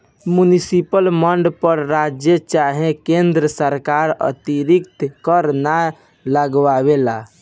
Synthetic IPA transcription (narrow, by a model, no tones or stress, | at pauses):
munisipəlməɳɖpəɾɾad͡ʒjət͡ʃaɦẽkẽnd̪ɾəsəɾkaɾə̰t̪iɾikt̪kəɾna | ləɡwawela̰